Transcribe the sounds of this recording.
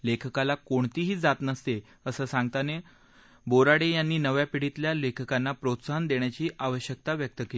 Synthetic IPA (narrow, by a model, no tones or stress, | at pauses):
lekʰəkalakoɳt̪iːɦiːd͡zat̪nəst̪e | əsəːsaŋɡt̪ane | boɾaɽejanːiːnəʋjapiɽ̤it̪ljalekʰəkanːapɾot̪saɦənd̪eɳjat͡ɕiːʔaʋəɕjək̚t̪aʋjək̚t̪əkeli